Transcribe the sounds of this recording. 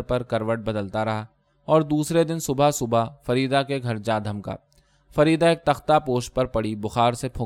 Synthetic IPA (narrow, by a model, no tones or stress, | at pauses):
ɾpɐɾkɐɾʋəʈ̚bɐd̪əlt̪aɾɐɦa | ɔːɾd̪uːsɾed̪ɪnsʊbʱasʊbʱafɐɾiːd̪akeɡʱɐɾd͡ʒaːd̪ʱəmka̰ː | fɐɾiːd̪aeːk̚t̪ɐxt̪apoːʃʈ̚pɐɾpɐɽibʊxaːɾsepʰʊ̃